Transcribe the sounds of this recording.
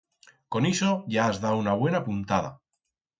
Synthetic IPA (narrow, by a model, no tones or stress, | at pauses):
ko̞niso̞ʝaːzðaunaβ̞we̞napunt̪að̞a̰